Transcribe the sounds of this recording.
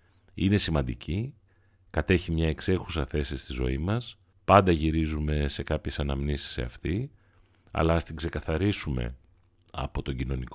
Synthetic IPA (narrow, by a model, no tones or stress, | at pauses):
ine̞simɐnd̪ici | kɐt̪e̞çimɲɐe̞kse̞xu̥sɐθe̞sist̪izo̞̰imɐs | pɐnd̪ɐʝiɾizume̞se̞kɐpçe̞sɐnɐmnisi̥sḛɐft̪i | ɐ̰lɐːst̪iɡse̞kɐθɐɾisume̞̰ | ɐ̰po̞t̪o̞ɲɟino̞nik